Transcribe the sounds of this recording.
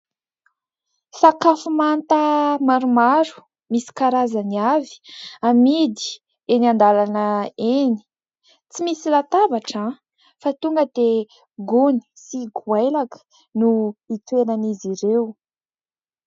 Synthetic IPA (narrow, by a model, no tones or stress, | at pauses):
fakafumant̪əmaɾumaɾu̥ | misi̥kaɾazaniavi̥amid̪i̥ | enand̪alanəeni̥ | t͡simisilat̪avaʈ͡ʂa | fat̪uŋɡəd̪e | ɡuni̥siɡwajlakə̥ | nuit̪wenaniziɾew